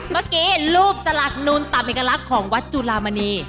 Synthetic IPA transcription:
maː˧˥˩kiː˦˥luː˥˩p̚sa˧la˨˩k̚nuː˧nt̪a˨˩mʔeː˨˩kːa˧la˦˥kʰːɔː˩˦ŋwa˦˥t̪̚t͡ɕu˧laː˧ma˧niː˧

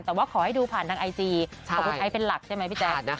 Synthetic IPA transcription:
nt̪ɛː˨˩waː˥˩kʰɔː˨˦ha˥˩jduː˧pʰaː˨˩nt̪ʰaː˧ŋʔa˧jt͡ɕiː˧˨˩ | ku˧˩nʔʰa˧˥jpe˧nla˨˩k̚t͡ɕʰjma˦˥jpʰi˥˩t͡ɕɛː˧˩˦

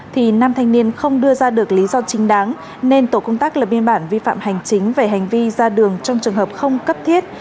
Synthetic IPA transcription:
t̪ʰi˨˩naː˧mt̪ʰa˧jŋ̟ni˧ənxə˧wŋ͡mɗɨ˧əzaː˧ɗɨ˨˩ək̚li˨˦zɔ˧t͡ɕï˨˦ŋ̟ɗaː˨˦ŋ | ne˧nt̪o˧˩kə˧wŋ͡mt̪aː˦˥k̚laː˨˩ɓi˧ənɓaː˧˩nvi˧fa̰ː˧˨mha˨˩jŋ̟t͡ɕï˨˦ŋ̟ve˨˩ɦa˨˩jŋ̟vi˧zaː˧ɗɨ˨˩əŋt͡ɕɔ˧wŋ͡mt͡ɕɨ˨˩əŋɦəː˨˩p̚xə˧wŋ͡mkə˦˥p̚t̪ʰi˦˥ət̚

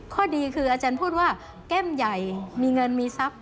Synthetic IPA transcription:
kʰɔː˥˩diː˧kʰɯː˧ʔaː˧t͡ɕaː˧npʰuː˥˩t̪̚waː˥˩ | kɛ˥˩mja˨˩jmiː˧ŋɤ˧nmiː˧sa˦˥p̚

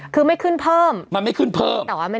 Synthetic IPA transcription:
kʰɯː˧ma˥˩jkʰɯ˥˩npʰɤː˥˩mma˧nma˥˩jkʰɯ˥˩npʰɤː˥˩mt̪ːwaː˥˩m˧˩

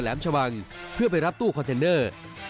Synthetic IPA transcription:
lɛ̰ː˩˦mt͡ɕʰa˧wa˧ŋpʰɯ˥˩ɐp̬a˧jɾa˦˥p̚t̪uː˥˩kʰɔ˧nt̪e˧nːɤː˥˩

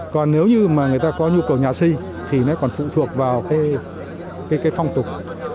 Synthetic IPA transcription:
kɔ˨˩nːne˨˦wɲɨ˧maː˨˩ŋɨ˨˩əjt̪aː˧kɔ˨˦ɲu˧kə˨˩wɲaː˨˩si˧ | t̪ʰi˨˩nɔ˨˦kɔ˨˩nfṵ˧˨t̪ʰu˨˩ək̚vaː˨˩wkaː˨˦j | kaː˨˦jkaː˨˦jfa˧wŋ͡mt̪ʊ˨˩k͡p̚

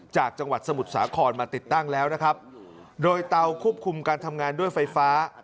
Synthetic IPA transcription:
t͡ɕaː˨˩k̚t͡ɕa˧ŋwa˨˩t̪̚sa˧mu˨˩t̪̚sa̰ː˩˦kʰɔː˧nmaː˧t̪i˨˩t̪ːa˥˩ŋlɛː˦˥wna˦˥kʰɾa˦˥p̚ | doː˧jt̪a˧wkʰu˥˩əp̚kʰu˧mkaː˧nt̪ʰa˧mŋaː˧ndu˥˩əjfa˧jfaː˦˥

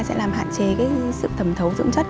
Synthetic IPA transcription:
jsɛ̰˧˥laː˨˩mɦa̰ː˧˨nt͡ɕe˨˦kaː˨˦jsɨ̰˧˨t̪ʰə˨˩mt̪ʰə˨˦wzɨ̰˧˥ŋ͡mswt̚

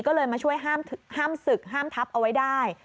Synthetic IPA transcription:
kɔː˥˩lɤː˧jmaː˧t͡ɕʰu˥˩əjɦaː˥˩mt̪ʰhaː˥˩msɯ˨˩k̚ɦaː˥˩mt̪ʰa˦˥p̚ʔa˧wa˦˥jdaː˥˩j

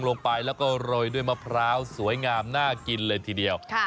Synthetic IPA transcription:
ŋlo˧ŋpa˧jlɛː˦˥wkɔː˥˩ɾoː˧jdu˥˩əjmaː˥˩pʰɾaː˦˥wsu˩˦jŋaː˧mnaː˥˩ki˧nlɤː˧jt̪ʰiː˧di˧əwkʰ

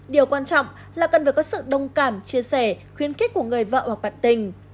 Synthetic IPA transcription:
ɗi˨˩əwkwaː˧nt͡ɕɔ̰˧˨wŋ͡m | laː˨˩kə˨˩nvəː˨˩kɔ˨˦sɨ̰˧˨ɗə˧wŋ͡mkaː˧˩mt͡ɕi˧əsɛ˧˩xwi˧˦ənxi̟˦˥ku˧˩əŋɨ˨˩əjvə̰ː˧˨hwa˨˩k̚ɓa̰ː˧˨nt̪ï˨˩ŋ̟

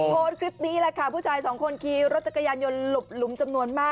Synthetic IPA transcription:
moː˧nkʰɾi˦˥p̚niː˦˥la˦˧˩kʰaː˦˥˩pʰuː˥˩t͡ɕʰaː˧jsɔː˩˦ŋkʰo˧nkʰiː˧ɾo˦˥t̪̚t͡ɕa˨˩kːa˧jaː˧njo˧nlu˨˩p̚lu˩˦mt͡ɕa˧mnu˧ənmaː˥˩

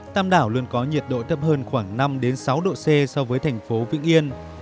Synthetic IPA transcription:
t̪aː˧mɗaː˧˩wlu˧ənkɔ˨˦ɲi˨˩ət̚ɗo̰˧˨jt̪ʰə˦˥p̚həː˧nxwaː˧˩ŋna˧mɗe˨˦nsa˨˦wɗo̰˧˨sɛ˧sɔ˧vəː˨˦jt̪ʰa˨˩jŋ̟fo˨˦vḭ˧˥əŋʔi˧ən

